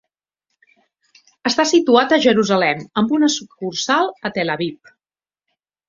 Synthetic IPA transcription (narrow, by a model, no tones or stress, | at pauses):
əst̪asit̪uat̪əʒəɾuzəlɛməmbunəsukːursalˠət̪ələβip̚